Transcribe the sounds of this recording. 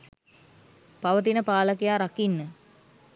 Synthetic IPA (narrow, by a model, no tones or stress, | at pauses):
paʋət̪̬inəpaːləkijaːɾakinːə